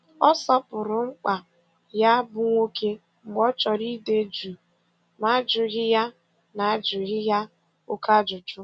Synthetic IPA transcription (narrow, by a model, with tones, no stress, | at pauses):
ɔ˦sɔ˦pʊ˨ɾʊ˨ŋ͡m̩˦k͡pa˨ | ja˦bʊ˦ŋʷo˦ke˦ | ŋ͡m̩˨ɡ͡bɔ˦t͡ʃɔ˨ɾi˦de˦d͡ʒu˨ | ma˦d͡ʒʊ˨ɣɪ˦ja˦ | na˨a˦d͡ʒʊ˨ɣɪ˦ja˦ | o˦ka˦d͡ʒʊ˨d͡ʒʊ˦